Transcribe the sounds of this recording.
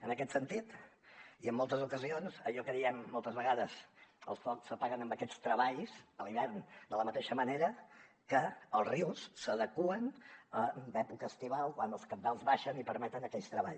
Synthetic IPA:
ənəkɛt̪sənt̪it̪iəmːolˠt̪əzukəzionsəʎɔkəðiɛmːɔlˠt̪əzβəɣaðəzə̰lˠsfɔksəpaɣənəmbəkɛt͡st̪ɾəβaʎzəliβɛrnd̪ələmət̪eʃəməneɾə | kəəlˠzriwsːəðəkuənəd̪ɛpukəːst̪iβalˠkwanəlˠskənd̪alˠzβaʃənipəɾmɛt̪ənəkɛst̪ɾəβa̰ʎ

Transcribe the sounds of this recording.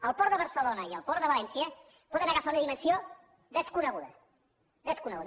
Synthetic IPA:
əlˠpɔɾðəβəɾsəlonəiəlˠpɔɾðəβəlɛnsiə | pɔðənəɣəfaunəðimənsio | ðəskunəɣuðə̰ | ðəskunəɣuð

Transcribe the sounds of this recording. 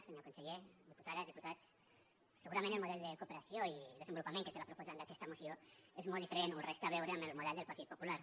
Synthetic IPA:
seɲokonseʎeðipu̥t̪aðazðiput̪at͡sː | eɣuɾamẽnt̪elmoðɛld̪ekopeɾasjoild̪ezembolupamẽŋket̪elapɾopozand̪akɛst̪amosjoezmold̪ifeɾenurɛst̪aβ̞ɛwɾemelmuð̞ɛld̪elpaɾt̪it̪populaɾ

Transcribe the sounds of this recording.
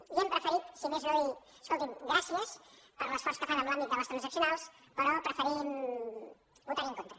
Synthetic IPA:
iɛmpɾəfəɾit̪simeznoj | əskolˠt̪imɡɾasiəspəɾləsfɔɾskəfanəmlambit̪d̪ələst̪ɾənzəksjunalˠs | pəɾɔpɾəfəɾim | but̪aɾiŋkont̪ɾə

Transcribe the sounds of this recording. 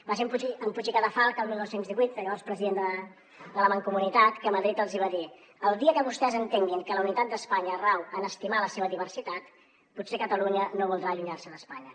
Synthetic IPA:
bas̬emput͡ʃiəmput͡ʃikaðəfalˠkəlˠmilˠnɔwsenzðiβwit̪̚d̪əaspɾəziðend̪ə | d̪ələməŋkumunit̪at̪kəməðɾit̪əlˠziβaði | əlˠd̪iəkəβust̪ɛzənt̪eŋɡiŋkələunit̪at̪̚d̪əspaɲəːrawənəst̪imaləseβ̞əðiβəɾsit̪at̪ | putsekət̪əluɲənoβulˠd̪ɾaːʎuɲarsənəspaɲə

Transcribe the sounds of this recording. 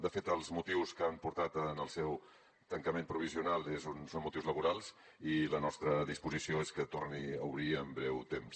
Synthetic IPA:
d̪əfet̪əlˠzmut̪iwskampuɾt̪at̪ənəlˠsɛw | t̪əŋkəmempɾuβ̞iziunalˠezunsonmut̪iwzləβuɾalˠz | ilənɔst̪ɾəðispuzisioeskət̪orniəwβɾiəmbɾɛwt̪ems

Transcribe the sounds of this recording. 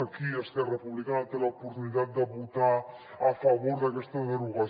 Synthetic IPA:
kiest̪erepuβlikanat̪elaopoɾt̪unit̪at̪̚d̪aβut̪a | afaβoɾðakest̪eɣaɾuɣa

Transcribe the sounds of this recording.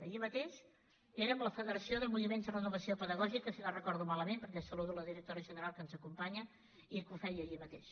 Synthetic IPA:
əʎimət̪eʃ | eɾəmləfəðəɾəsioðəlˠmuβimenzd̪ərənuβəsiopəðəɣɔʒikəsinarəkɔɾðumaləmempəɾkɛsəluðuləðiɾək̚t̪oɾəʒənəɾalˠkənzəkumpaɲə | ikufɛjəʎimət̪eʃ

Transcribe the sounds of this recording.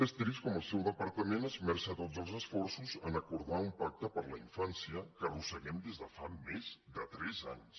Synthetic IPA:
əst̪ɾiskɔməlˠsɛwðəpəɾt̪əmẽnəzmɛɾʃat̪ot̪zəlˠzəsfɔɾsuzənəkuɾðaumpak̚t̪əpəɾləiɱfansjəkərusəɣɛmd̪ezðəfamezd̪ət̪ɾɛza̰ɲs

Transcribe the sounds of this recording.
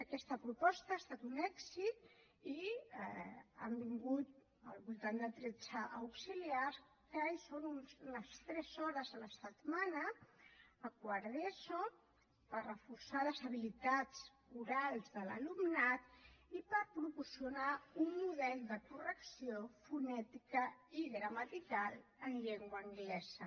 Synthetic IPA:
əkɛst̪əpɾupɔst̪əaːst̪at̪unɛksit̪̚ | i | a̰mbiŋɡut̪̚ | ə̰lˠβulˠt̪and̪əd̪ɾet͡ʃəʔːwksiliars | kəajsonunzləst̪ɾɛzɔɾəzðələsət̪manəː | kwəɾðeso | pərrəfuɾsaləzəβ̞ilit̪at͡s | uɾalˠzðələ̰lumnat̪ipəɾpɾupusiunaunmːuðɛlˠd̪əkurəksiofunɛt̪ikəiðɾəmət̪ikalˠənʎeŋɡwəːŋɡlɛz̥ə

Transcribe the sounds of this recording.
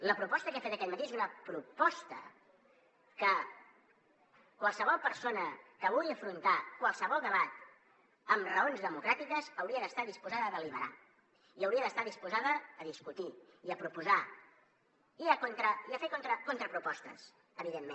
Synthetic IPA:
ləpɾupɔst̪əkɛafet̪əkɛt̪mət̪eezunəpɾupɔst̪ə | kə | kwalˠsəβ̞ɔlˠpəɾsonəkəβuɣiəfɾunt̪akwalˠsəβɔlˠd̪əβat̪ | əmrəonzðəmukɾat̪ikəzəwɾiəðəst̪aðispuzaðəːðəliβ̞əɾa̰ | iəwɾiəðəst̪aðispuzaðəːðiskut̪i | iəpɾupuza | iəkont̪ɾəiafet̪̚kont̪ɾəkont̪ɾəpɾupɔst̪əs | əβiðemːẽn

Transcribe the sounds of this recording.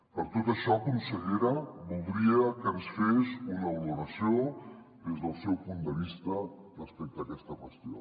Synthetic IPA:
pəɾt̪ot̪əʃɔkunsəʎeɾəβulˠd̪ɾiəkənsfesunəwluɾəsio | ðezðəlˠsɛwpund̪əβ̞ist̪ərəspek̚t̪əːkɛst̪əkwəst̪jo̰

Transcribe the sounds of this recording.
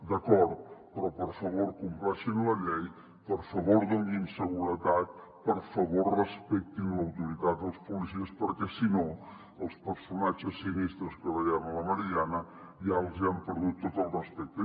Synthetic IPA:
d̪əkɔɾt̪̚pɾɔpəɾfəβoɾkumpɾaʃinləʎɛj | pəɾfəβoɾðoŋɡimsəɣuɾət̪at̪̚ | pəɾfəβoɾrəspɛk̚t̪inləwt̪uɾit̪at̪̚d̪əlˠspulisiəspəɾkɛsino | əlˠspəɾsunat͡ʃəsːinist̪ɾəskəðəjɛmələməɾianə | ialˠziampəɾðut̪ːot̪əlˠrəspɛk̚t̪ə

